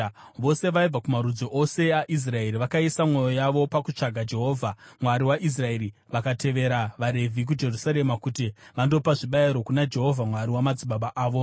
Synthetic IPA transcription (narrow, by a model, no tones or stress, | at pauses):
ʋo̞se̞ʋaib͡vakumaɾud͡zoʔose̞aʔis̬rae̞riʋakaisamwo̞jo̞jaʋo̞pakut͡ʂaɡʱad͡ʒe̞ɦo̞ːvʱamwaɾiwaʔis̬rae̞ɾi | ʋakate̞ʋe̞ɾaʋaɾe̞vʱik̬ud͡ʒe̞rusaɾe̞makutiʋando̞paʐiɓaiɾo̞kunad͡ʒe̞ɦo̞vʱamwaɾiwamad͡ziɓaɓaʔaːʋo̞